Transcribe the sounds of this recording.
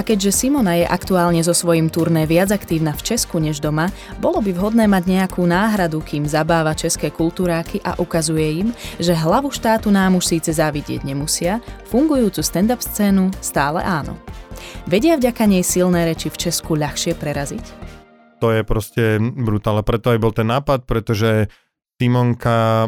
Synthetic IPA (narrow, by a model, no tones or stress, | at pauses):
akɛɟʒɛsimɔnajɛʔakt̪uaːlɲɛzɔsʋɔjimt̪uɾnɛːʋɪad͡zakt̪iːʊnaft͡ʃɛskuɲɛʒd̪ɔma | bɔlɔbivɦɔd̪nɛːmaɟɲɛakʰuːnaːɦɾad̪ukiːmzabaːʋat͡ʃɛskɛːkult̪uːɾaːkʰiʔa̰ʔukazujɛimʒɛɦlaʋuʃt̪aːt̪unaːmuʃsiːt͡sɛzaʋiɟɪɛ̰ɟɲɛmusɪafuŋɡujuːt͡sust̪ɛnd̪apst͡sɛːnust̪aːlɛ̰ʔaːnɔ̰ʋɛɟɪavɟakaɲɛjsilnɛːɾɛt͡ʃift͡ʃɛskuʎaxʃɪɛpɾɛɾazic | t̪ɔjɛpɾɔscɛbɾut̪aːlɛpɾɛt̪ɔabibɔlt̪ɛnːaːpat̪̚pɾɛt̪ɔʒɛ | t̪imɔŋka